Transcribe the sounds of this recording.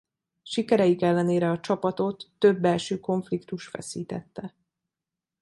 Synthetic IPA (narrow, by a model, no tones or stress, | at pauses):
ʃikɛɾɛjikɛlːɛneːɾɛɒt͡ʃɒpɒt̪o̞t̪ːø̞bːɛlʃøːko̞ɱflikt̪uʃfɛ̰siːt̪ɛt̪ːɛ